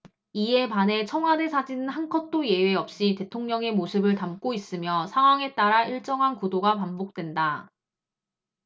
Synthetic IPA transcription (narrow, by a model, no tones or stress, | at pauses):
ie̞pane̞t͡ɕʰʌŋɦwade̞sʰad͡ʑinɯnɦankʰʌt̚t͈oje̞weʌp̚ɕ͈ite̞tʰoŋɲʌŋe̞mosʰɯbɯɭtamk͈ois͈ɯmjʌsʰaŋɦwaŋe̞t͈aɾaiɭt͡ɕ͈ʌŋɦankudoɡapambok̚t͈we̞nda